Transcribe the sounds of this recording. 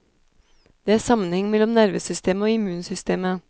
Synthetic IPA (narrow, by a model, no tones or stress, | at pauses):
d̪̥eːæːɾsɑmənhɛŋmɛlːɔmnæɾʋəsʏst̪ʰeːməoːɪmʉːnsʏst̪eːmə